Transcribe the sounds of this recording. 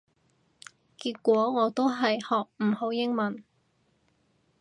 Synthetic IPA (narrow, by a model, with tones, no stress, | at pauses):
kiː˧˥t̚kʷɔː˨˥ŋɔː˨˧t̪o˥wɦɐ˨jhɔː˨k̚m̩˨˩ho˨˥wjɪ˥ŋmɐ˨˥n